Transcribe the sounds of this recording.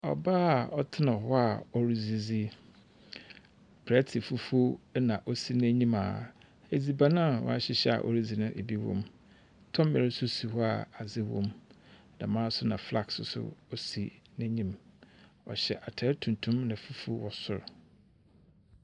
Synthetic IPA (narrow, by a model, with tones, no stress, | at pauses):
ɔ̰˨baː˦˨ɔ˦tʰɪ˦nã˨hɔ˦a˨ɔ˨ɾi˨zi˨d͡zi˦ | pʰɾɛ˦tʰɪ˨fu˦fu˦nã˨ʔo˦si˦n˦æ˦ɲĩ˦ma̰ː˨ | e˨d͡zi˨ba˦nã˦˨wɔ̰˦a˦ɕɪ˦ɕɛ˦a̰˨ʔɔ̰˨ɾi˦d͡zi˨nʊ̃˦ʔe˨bi˦wɔ̰̃˨m | tʰɔ̃˦m˦mɛ˨ɾɪ˦sʊ˦si˨hɔ˦a̰˨a˨zɪ˦wɔ̰̃˦m˨ | dã˨mãː˦sʊ˦nã˨fla˦ksʊ˨sʊ̰˦ɔ˦si˨næ̃˦ɲĩ˦m | ɔ˨ɕɛ˨ʔa˨tʰɛ˦tʰũ˨n˨tʰũ˦mnã˨fu˦fu˦wɔ˨sʊ̰˦˨ɾ